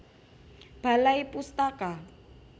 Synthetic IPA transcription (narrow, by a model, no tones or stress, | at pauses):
b̥a̤laipust̪aka